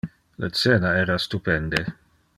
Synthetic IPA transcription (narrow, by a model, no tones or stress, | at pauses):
la̰t̪seːnaɛːɾast̪upɛnd̪e